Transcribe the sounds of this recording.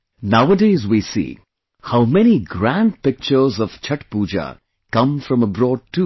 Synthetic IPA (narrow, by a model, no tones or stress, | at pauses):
naʊədeɪzwisḭː | haʊmɛniɡɾæ̃nɖpɪk̚t͡ʃə˞zɔv̥t͡ʃʰʌʈpuːd͡ʒa̰ | kʌ̃mfɾʌ̃məbɾɔːɖ̚tu